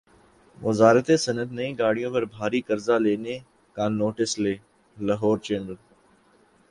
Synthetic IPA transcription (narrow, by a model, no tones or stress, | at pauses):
ʋɐzaːɾət̪esɐnət̪nɐĩːɡaːɽ̤ijõpɐɾbʱaːɾikɐɾzaleːne | kãːnoːʈɪsleː | lɐɦoːɾt͡ʃẽːnəl